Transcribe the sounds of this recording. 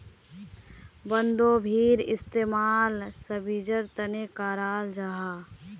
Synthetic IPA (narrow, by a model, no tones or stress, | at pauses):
bənd̪oːbʱiːɾɪst̪eːmaːlsəbid͡ʒəɾt̪ənekaːɾaːld͡ʒaɦaː